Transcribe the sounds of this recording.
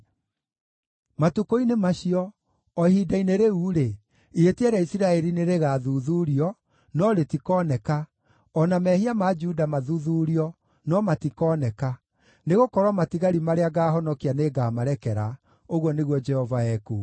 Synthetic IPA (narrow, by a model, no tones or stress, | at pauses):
matukoinemaɕiɔ | ɔhidaineɾeuːɾe | ietiɛɾaisiɾaɛɾineɾeɣaːðuðuɾiɔ | nɔɾetikɔnɛka | ɔnamɛɦiamad͡ʒudamaðuðuːɾiɔ | nɔmatikɔːnɛka | neɣokɔɾwamatiɣaɾimaɾeaɡaːɦɔnɔkianeɡaːmaɾɛkɛɾa̰ | oɣwɔneɣwɔd͡ʒɛhɔvaɛku